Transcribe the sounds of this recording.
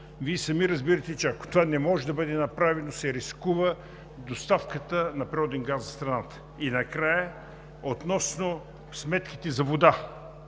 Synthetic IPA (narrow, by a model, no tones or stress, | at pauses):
viɛsɐmiɾɐzbiɾɐt̪ɛt͡ʃɛɐko̥t̪ovanɛmɔʒɛd̪ɐbəd̪ɛnɐpɾavɛnosɛɾiskuvə | d̪ost̪afkət̪ənɐpɾiɔd̪ɛŋɡazɐst̪ɾɐnat̪ə̥ | inɐkɾajə | ot̪nɔsno | smɛt̪k̟i̥t̪ɛzɐvod̪a